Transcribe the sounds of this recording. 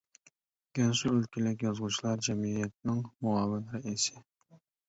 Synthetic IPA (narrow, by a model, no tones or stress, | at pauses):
ɡ̥ʲɛnsuølkʲɪlɪkʲjɑzʁʊt͡ʃʰilˠɑɾd͡ʒɛmijɛt̪̚nɪŋmuɑːvɪnɾɛisɪ